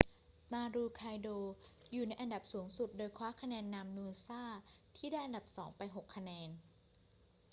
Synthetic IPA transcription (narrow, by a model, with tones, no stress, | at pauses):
maː˧ɾuː˧kʰaː˧jdoː˧juː˨˩na˧jʔa˧nda˨˩p̚suː˩˦ŋsu˨˩t̪̚doː˧jkʰwaː˦˥kʰa˧nɛː˧nːa˧mnuː˧saː˥˩t̪ʰiː˥˩daː˥˩ʔa˧nda˨˩p̚sɔː˩˦ŋpa˧jɦo˨˩kʰːa˧nɛː˧n